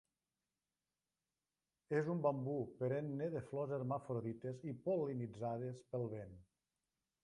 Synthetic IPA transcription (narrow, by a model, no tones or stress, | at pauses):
ezumbambupeɾenːeðeflɔzeɾmafɾoðit̪ezipolinid͡zað̞espelˠβen